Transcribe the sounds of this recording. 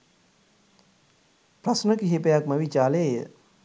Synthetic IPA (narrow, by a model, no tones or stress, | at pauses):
pɾɐsnəkiɦepəjakməʋit͡ʃaːleːjə